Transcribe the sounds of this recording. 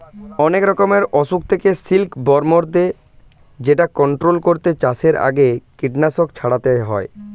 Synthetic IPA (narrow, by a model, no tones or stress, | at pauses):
ɔnekɾɔkomeɾɔʃuk̚t̪ʰekesilkbɔɾmoɾd̪e | d͡ʑeʈakɔɳʈɾolkoɾt̪et͡ɕaseɾa̰ɡekiʈnaʃokt͡ɕʰaɽat̪eɦɔ̰e